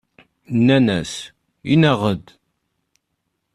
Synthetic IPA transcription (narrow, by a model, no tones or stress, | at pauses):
nːænæs | inæʁəd̪